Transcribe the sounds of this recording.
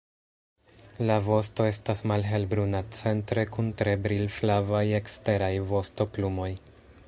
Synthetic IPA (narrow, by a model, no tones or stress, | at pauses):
lavo̞sto̞e̞stasmalɦe̞lbɾunat͡se̞ntɾe̞kuntɾe̞bɾilflavaje̞kste̞ɾajvo̞sto̞plumo̞j